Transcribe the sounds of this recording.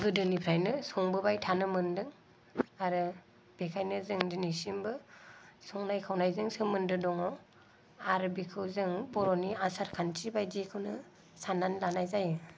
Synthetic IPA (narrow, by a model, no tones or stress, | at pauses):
bɯdɯnipʰɾajnɯsɔŋbɯbajtʰanɯmɯndɯŋ | aɾɯ | b̥ekʰajnɯzɯŋdɯnisimbɯsɔŋnajkʰawnajzɯŋsɯmɯndɯdɔŋɔ | aɾɯbikʰɯwzɯŋbɔɾɔniasaɾkʰantibajd͡ʒikʰɯwnɯ | sananlanajzajɯ